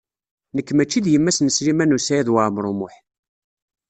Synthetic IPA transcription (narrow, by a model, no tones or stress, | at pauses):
nəkːmæt͡ʃːiðjəmːæsnəslimænusæjæðwamɾˤʊmʊħ